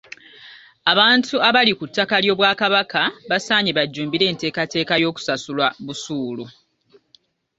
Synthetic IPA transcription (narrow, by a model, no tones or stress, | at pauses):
aβaːntʰuaβalikutːakaljo̞ːβwaːkaβakaβasaːɲiβaɟːuːmbiɾe̞ːnte̞ːkate̞ːkajo̞ːku̥sasulwaβusuːlu